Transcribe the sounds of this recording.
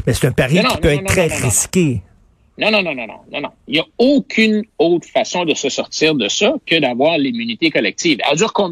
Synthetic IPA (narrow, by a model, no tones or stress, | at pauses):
mɛse̥t̪ɛ̃paʁjĩnɔkĩpøɛːʁɛʁiskʲe | nɔ̃nɔ̃nɔ̃nɔ̃nɔ̰̃nɔ̰̃nɔ̃iljaokʲʰynot̪χfasɔ̃d̪əsəsɔʁt̪iːʁd̪əsʌkəd̪avwaːʁlimynit̪ekɔlɛk̚t̪iːvɛ̰lzyːʁkɔ̃